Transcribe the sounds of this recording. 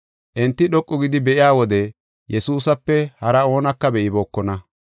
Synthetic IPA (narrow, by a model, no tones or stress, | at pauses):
ʔɛnt̪ːɪɗɔkʼːʊɡɪd̪ɪbɛʔɪjaːwɔd̪ɛ | jʔɛsuːsɐpːɛhɐɾɐo̞ːnɐkːɐbɛʔɪboːkːɔnɐ